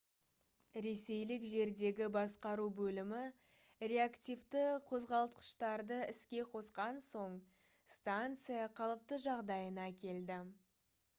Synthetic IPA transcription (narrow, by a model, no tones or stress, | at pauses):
ɾe̞se̞jlɪkʒe̞ɾd̪e̞ɡʲɪbɑsqɑɾubɵlɪmɪ | ɾe̞akt̪ʲijvt̪əqʰo̞zʁɑlˠt̪̚qə̥ʃt̪ɑɾd̪əɪskʲe̞qʰo̞sqɑnso̞ɴ | st̪ant̪sɨjɑqʰɑlˠəp̚t̪əʒɑʁd̪ɑjənɑkʲʰe̞ld̪ɪ